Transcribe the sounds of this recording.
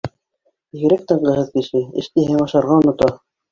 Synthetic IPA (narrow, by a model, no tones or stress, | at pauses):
iɡɘ̆ɾæk̚t̪ɤɴɢɤ̆ɦɤðkĭʃɘɘ̰̆ʃt̪iɦɘŋɑʃɑɾʁɑŏnŏt̪ɑ